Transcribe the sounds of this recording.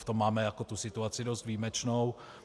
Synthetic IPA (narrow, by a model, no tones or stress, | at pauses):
ft̪o̞mːaːmɛjakot̪usɪt̪uat͡sɪdo̞st̪viːmɛt͡ʃnow